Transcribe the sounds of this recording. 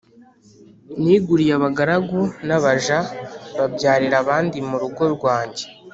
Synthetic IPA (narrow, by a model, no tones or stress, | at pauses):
niːɡuɾijaβaɡaɾaɡunaβaʒaβabɟaːɾiɾaβaːndimuɾuɡo̞ɾɡwaːɲɟe